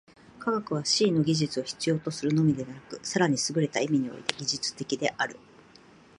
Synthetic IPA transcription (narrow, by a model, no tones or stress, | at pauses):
kaɡakɯ̟β̞aɕiːno̞ɡʲiʑit͡sɨo̞çi̥t͡sɨjo̞ːt̪o̞sɨɾɯ̟no̞mʲid̪e̞βanakɯ̟saɾaɲ̟isɨɡɯ̟ɾe̞t̪aimʲiɲ̟io̞̰ḭt̪e̞ɡʲiʑɨt͡sɨ̥t̪e̞kʲid̪e̞ʔaɾɯ̟